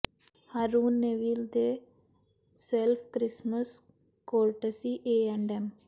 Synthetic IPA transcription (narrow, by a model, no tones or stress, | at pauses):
haɾuːnːeʋiːld̪e | selfʰkɾɪsməs | koːlʈesiʔeːɛɳɖɛm